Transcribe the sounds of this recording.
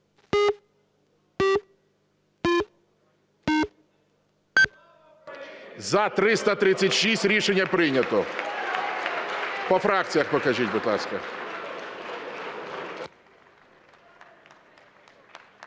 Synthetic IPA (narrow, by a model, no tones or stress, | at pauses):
zɐt̪ɾɪst̪ɐt̪ɾɪt͡sʲsʲːɐtʲʃisʲtʲɾʲiʃenʲːɐpɾɪnʲɐt̪ɔ | pɔfɾak̚t̪sʲijɐxpɔkɐʒitʲbʊd̪lˠɑ̰skɐ̰